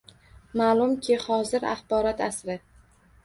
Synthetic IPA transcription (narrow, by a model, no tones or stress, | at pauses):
maːlˠʊmkʲʰɪhɒzɪɾa̰χbɒɾɒt̪ʰasɾɪ